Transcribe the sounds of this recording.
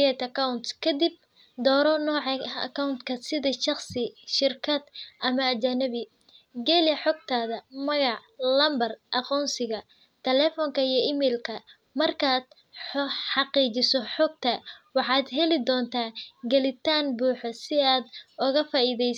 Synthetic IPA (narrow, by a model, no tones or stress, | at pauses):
ɛt̪ɐkʰɐwnt̪kʰɐd̪ɪb̚ | d̪ɔːɾɔnɔːʕɑɐ̰kʰɐʊnt̪kʰɐsɪðɐʃɑχsɪʃɪrkʰɐd̪ʔɐmɐːt͡ʃɐnɐβɪ | ɡɛlɪjɐħɔɡ̚t̪ʰaːðɐmɐɣɑʕ | lɐmbɐrʔɐqɔːnsɪɣɐ | t̪ʰɛlɛːfɔŋkʰɐijɞɪmɛːlkʰɐ | mɐrkʰaːd̪̥ | ħɑqiːt͡ʃɪsɔħɔɡ̚t̪ʰɐwɑħɑːd̪ɦɛlɪd̪ɔːnt̪ʰaːɡɐlɪt̪ʰaːnbuːħɔsɪaːd̪ʊɣɐfaːiðɛj